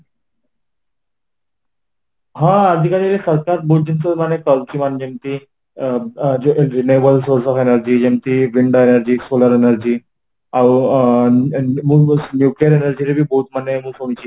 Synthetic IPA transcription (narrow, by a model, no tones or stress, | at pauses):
ɦãəd̪ʱikaɾaɾesəɾkaɾbot̪̚d͡ʑinsəmanekəlkimand͡ʑemt̪iː | ɾinebəlsoɾsɔfenəɾd͡ʑiːd͡ʑemt̪iːʋiɳɖoenəɾd͡ʑiːsoləɾenəɾd͡ʑiː | aw | munjuklijəɾenəɾd͡ʑiɾebʱiːboːt̪manːemuɡsont͡ɕiː